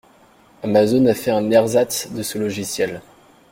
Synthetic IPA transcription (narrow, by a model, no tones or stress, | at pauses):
amazonafɛɛ̃nɛʁzat̪d̪əsəlɔʒisjɛl